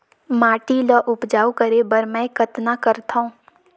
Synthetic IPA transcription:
maːʈiləʔʊpd͡ʒaːukəɾebəɾmɛ̃kət̪nakəɾt̪ʰaũː

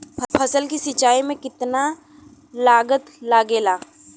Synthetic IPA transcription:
pʰpʰɐsəlkisɪt͡ʃaːimẽkɪt̪na | laːɡət̪laːɡeːlaː

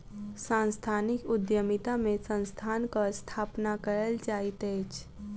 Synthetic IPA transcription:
sãːnst̪ʰaːnɪkʊd̪jəmɪt̪amẽsə̃nst̪ʰaːnkast̪ʰaːpnakəɾəld͡ʒaːit̪eːt͡ʃ

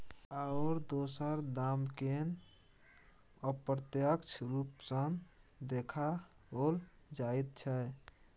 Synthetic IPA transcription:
aʊɾd̪osəɾd̪amken | əpɾət̪jəkt͡ʃʰɾupsənd̪ekʰa | ɦol | d͡ʒajt̪̚t͡ʃʰɛ

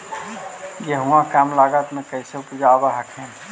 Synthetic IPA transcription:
ɡeɦuãkamlaɡat̪mekəjseked͡ʒaːbaɦəkʰen

